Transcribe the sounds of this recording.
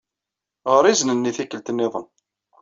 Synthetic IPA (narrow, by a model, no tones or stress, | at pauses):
ʁəɾˤiznənːiθikːəlt̪nːeðˤən